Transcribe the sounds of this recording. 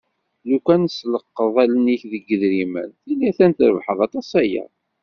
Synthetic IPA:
lukænsləqːəðˤælniçðəɡːəðɾimə̰nθilːiθænt̪ɾə̰vħəðˤɑt̪ˤɑsæjə̰ˤ

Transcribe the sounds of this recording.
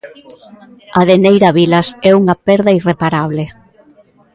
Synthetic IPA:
ɐðenejɾɐβilɐsɛuŋɐpɛɾðɐirepaɾaβ̞le

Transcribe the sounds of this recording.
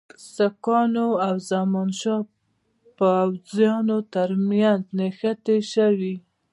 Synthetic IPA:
sakɑnoawzamɑnʃɑ | pəawzjɑnot̪aɾmjanznexat̪eʃawi

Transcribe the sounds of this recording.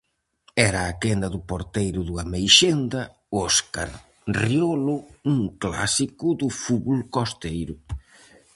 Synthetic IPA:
ɛɾɐːkend̪ɐðʊpoɾt̪ejɾʊðuɐmejʃend̪ɐ | ɔska̰ɾ | riolʊuŋkla̰sikʊd̪ʊfuβulkost̪ejɾʊ

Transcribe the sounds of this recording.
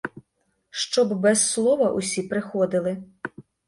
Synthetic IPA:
ʃt͡ʃɔbbɛsːlˠɔʋɐʔʊsʲipɾɪxɔd̪ɪlˠɪ

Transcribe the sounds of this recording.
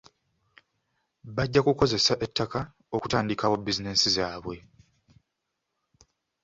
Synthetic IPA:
βaɟːakuko̞ze̞saʔe̞tːaka | o̞ku̥taːndikawobːizinesizaːβwe̞

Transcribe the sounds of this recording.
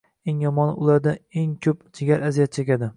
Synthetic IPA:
eŋjɒmɒnʊlˠaɾd̪aeŋkʲʰɵpd͡ʒɪɡʲaɾazijat̪̚t͡ʃʰekʲad̪ɪ

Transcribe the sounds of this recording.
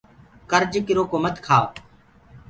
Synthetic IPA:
kəɾd͡ʒkɪɾoːkoːmət̪kʰaːʋ

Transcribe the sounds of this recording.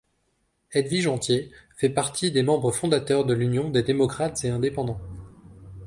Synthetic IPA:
ɛd̪viʒɑ̃t̪jefɛpaʁt̪ʰid̪emɑ̃bʁəfɔ̃d̪at̪œʁd̪əlynjɔ̃d̪ed̪emɔkχat̪z̥eɛ̃d̪epɑ̃d̪ɑ̃

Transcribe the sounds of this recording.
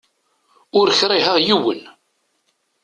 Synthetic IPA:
ʊɾçɾˤiɦæðjiwə̰n

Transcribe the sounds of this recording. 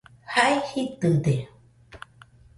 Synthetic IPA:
hajhit̪ɯde

